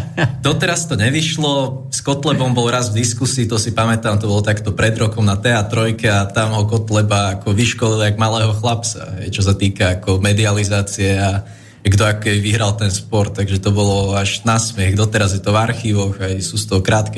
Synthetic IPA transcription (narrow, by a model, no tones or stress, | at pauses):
d̪ɔt̪ɛɾast̪ɔɲɛʋiʃlɔ | skɔt̪lɛbɔmbɔlɾazvd̪iskusiːt̪ɔsipamɛt̪aːmt̪ɔbɔlɔt̪akt̪ɔpɾɛd̪ɾɔkɔmnat̪ɛat̪ɾɔjkɛat̪amɦɔkɔt̪lɛbaːkɔʋiʃkɔliliaɡmalɛːɦɔxlap̚t͡sa̰ɦɛjt͡ʃɔs̬at̪iːkaːkɔmɛd̪ializaːt͡siɛa | aɡd̪ɔakɔkɛbiʋiɦɾalˠt̪ɛnspɔɾt̪aɡʒɛt̪ɔbɔlɔaʒnasmɛxd̪ɔt̪ɛɾazjɛt̪ɔvaɾxiːʋɔɣajsuːst̪ɔɦɔkɾaːt̪kɛ